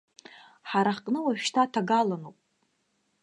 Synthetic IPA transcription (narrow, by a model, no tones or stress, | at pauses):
ħaɾaħqʼnɨwaʒᶣʃtʰatʰaɡalanopʼ